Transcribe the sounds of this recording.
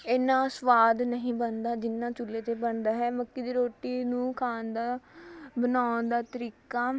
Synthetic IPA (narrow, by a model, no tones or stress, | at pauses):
eːnãːsʋaːd̪nəɦĩːbənd̪aːd͡ʒɪnːãːt͡ʃʊlːeːt̪eːbənd̪aːɦɛːməkːiːd̪iːɾoːʈiːnũːkʰaːnd̪aːbənaːnd̪aːt̪əɾiːkaː